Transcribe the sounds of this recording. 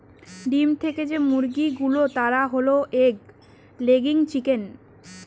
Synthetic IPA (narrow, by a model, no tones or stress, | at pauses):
ɖimt̪ʰeked͡ʑemuɾɡiɡulot̪aɾaɦoloʔeɡ | leɡiŋt͡ɕiken